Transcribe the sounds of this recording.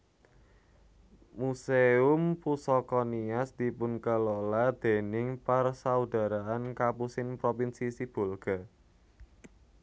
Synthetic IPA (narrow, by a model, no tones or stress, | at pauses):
museʊmpusɔkɔniasd̪̥i̤pʊnkəlolad̪̥e̤nɪŋparsaud̪̥a̤ɾaankapusɪnpɾopinsisib̥o̤lɡ̥a̤